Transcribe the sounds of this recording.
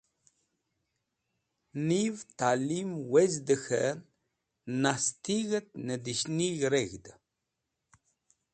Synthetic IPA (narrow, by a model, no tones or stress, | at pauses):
nivt̪alimwezd̪əxə̰n | nast̪iɣət̪̚nəd̪iʃniɣɾeɣd̪ə